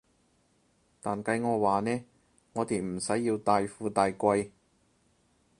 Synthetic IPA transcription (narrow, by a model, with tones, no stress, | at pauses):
t̪aː˨nkɐ˧jŋɔː˨˧waː˨nɛː˥ | ŋɔː˨˧t̪e˨˧jm̩˨˩sɐ˨˥jːiː˧wt̪aː˨˧jfuː˧t̪aː˨jkʷɐ˧j